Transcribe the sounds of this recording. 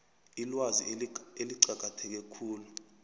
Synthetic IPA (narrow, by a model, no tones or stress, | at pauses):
ilwazieliǀaɡ̥̬ʱʼatʰɛk̬ɛkʰuːlu